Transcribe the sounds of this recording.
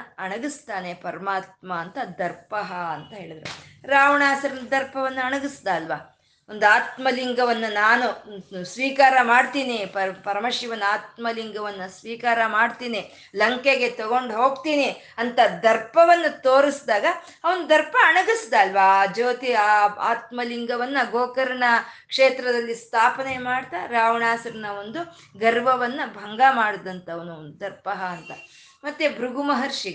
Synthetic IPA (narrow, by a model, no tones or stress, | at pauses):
ɐɳɐɡist̪aːnepɐɾɐmaːt̪̚mɐːnt̪ɐd̪ɐɾpɐɦɐɐnt̪ɐɦe̞ːɭid̪ɐɾuɾaːʋɐɳaːsɐɾɐnd̪ɐɾpɐʋɐnːuɐɳɐɡisd̪aːlʋaː | ond̪uaːt̪mɐliŋɡɐʋɐnːunaːnusʋiːkaːɾɐmaːɖt̪iːnipɐpɐɾɐmɐʃiʋɐnːaːt̪̚mɐliŋɡɐʋɐnːɐsʋiːkaːɾɐmaːɖt̪iːni | lɐŋkeɡe̞t̪ɐɡo̞ɳɖɦo̞ːɡt̪iːni | ɐnt̪ɐd̪ɐɾpɐʋɐnːut̪oːɾisd̪aːɡɐː | ʋɐnud̪ɐɾpɐɐɳɐɡisd̪aɐlʋad͡ʒoːt̪iaa̰ːt̪mɐliŋɡɐʋɐnːɐɡoːkɐɾɐɳɐkʂeːt̪ɾɐd̪ɐlːist̪ʰaːpɐnemaːɽt̪aɾaːʋɐɳaːsɐɾɐnɐond̪u | ɡɐɾʋɐʋɐnːɐbʱɐŋɡamaːɽd̪ɐnt̪ɐːʋɐnudd̪ɐɾpɐɦɐːnt̪ɐ | mɐt̪ːebʱɾuɡumɐɦɐɾʂiɡe